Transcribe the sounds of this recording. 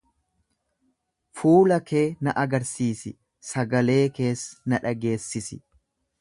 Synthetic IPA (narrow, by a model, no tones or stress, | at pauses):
fuːlɐke̞ːnɐʔɐɡɐɾsiːsɪ | sɐɡɐle̞ːke̞ːsnɐᶑɐɡe̞ːsːɪsɪ